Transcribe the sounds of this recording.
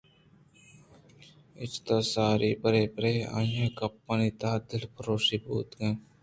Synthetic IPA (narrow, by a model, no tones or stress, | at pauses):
ɪt͡ʃt̪asaːɾiːpəɾeːpəɾeːa̰ːjãːkɐpːaniːt̪aːd̪ɪlpʰəɾoːʃiːbṵːt̪ɡẽː